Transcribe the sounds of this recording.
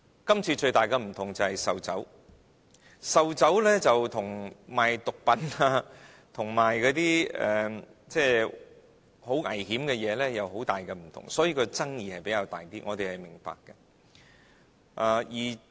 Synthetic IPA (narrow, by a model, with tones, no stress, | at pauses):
kɐ˥mt͡sʰiː˧t͡ʃɵ˧ɥt̪aː˨˩jkɛ˧m̩˨˩t̪ʰʊ˨˩ŋt͡sɐ˨hɐ˨˩jsɐ˨wt͡sɐ˨˥w | sɐ˨wt͡sɐ˨˥wlɛː˥t͡sɐ˨wt̪ʰʊ˨˩ŋmaː˨jt̪ʊ˨k̚pɐ˨˥na˧ | t̪ʰʊ˨˩ŋmaː˨˩jkɔː˨˥t̪iː˥ɛ̰˨t͡sɛː˥˩ | ho˨˥wŋɐ̰˨˩jhiː˨˥mkɛ˧jɛː˨˧lɛː˥jɐ˨who˨˥wt̪aː˨jkɛ˧m̩˨˩t̪ʰʊ̰˨˩ŋsɔː˨˥jiː˧kɔ˧t͡sɐ˥ŋjiː˨hɐ˨jpe˨˥jkaː˧wt̪aː˨jt̪iː˥ŋɔ̰ː˨˧t̪e˨jhɐ˨˩jmɪ˨˩ŋpa̰ː˧kːɐ˧ | ʔaː˧˩jiː˨˩